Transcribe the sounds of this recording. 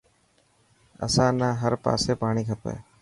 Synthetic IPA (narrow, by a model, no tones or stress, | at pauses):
ə̰sãːnaːɦəɾpa̰ːseːpaːɳiːkʰəpḛː